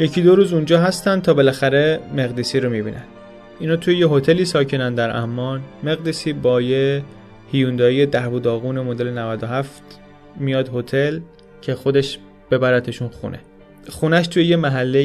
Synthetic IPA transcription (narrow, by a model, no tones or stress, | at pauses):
je̞cʰid̪o̞ɾuːzund͡ʒɒːɦæst̪ænd̪̚t̪ʰɒːbe̞læxæɾe̞me̞ɣd̪iːsiːɾo̞mibḭnʔæ̰nd̪ | inɒːt̪ʰujejeɦo̞t̪ʰe̞liːsɒːcʰenænd̪æɾʔæ̰hmːɒːnme̞ɣd̪iːsiːbɒːje | hijund̪ɒːije̞d̪æɾbud̪ɒːɣuːnemod̪e̞lenævæd̪o̞ɦæft̪ | mijɒːd̪ho̞t̪ʰe̞l | cʰe̞xo̞d̪eʃ | b̥e̞bæɾæt̪ʰeʃunxṵnʔḛ | xunæʃt̪ʰujejemæɦælːe